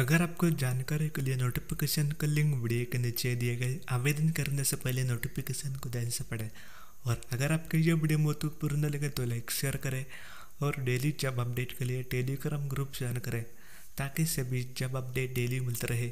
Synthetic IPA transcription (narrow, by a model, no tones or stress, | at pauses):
əɡəɾaːp̚kod͡ʒankaɾikəlijenoʈifikeɕənkəlĩŋɡʋiɽieknit͡ʃed̪ijeɡaiaʋed̪ənkəɾind̪əsəpəilenoʈifikesənkud̪ansəpɐɽe | ɔːɾəɡəɾaːpkejeʋiɽemot̪upuɾunəleɡet̪olaekseɾkəɾe | ɔɾɖelid͡ʒɐbɐp̚ɖeʈkəlijeʈeliɡɾamɡɾuːpsankɐɾẽ | t̪akisebid͡ʒɐbɐp̚ɖeːʈ̚ɖelimilt̪əɾʔɐɦe